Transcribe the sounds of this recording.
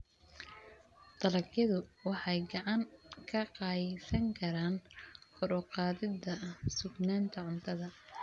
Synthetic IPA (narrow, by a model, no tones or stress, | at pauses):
d̪̥ɐlɐɡjɐðʊwɑħɑjɡɑʕɑŋkʰɐqɑːjsɐŋkʰɐɾaːnkʰɔɾɔqɑːðɪd̪ɐsʊɡnaːnt̪ʰɐʕʊnt̪ʰɐðɐ